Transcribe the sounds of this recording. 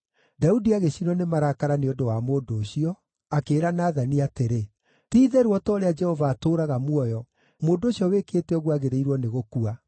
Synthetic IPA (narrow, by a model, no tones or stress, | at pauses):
daudiaɣeɕinɔnemaɾaːkaɾaneodowamoːdoːɕiɔ | akeːɾanaːðaniateɾe | tiːðɛɾuɔtɔːɾead͡ʒɛhɔvaːtoːɾaɣamwɔjɔ | moːdoːɕiɔweketɛɔɣwaɣeɾeiɾwɔneɣokua